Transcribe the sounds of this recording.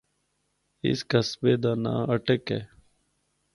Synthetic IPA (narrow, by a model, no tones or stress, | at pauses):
ɪ̰skəsbeːd̪aːna̰ːəʈəkeː